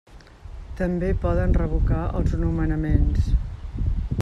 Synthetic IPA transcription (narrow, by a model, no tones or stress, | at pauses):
t̪əmbepɔðənrəβukaʔə̰lˠzənumənəmens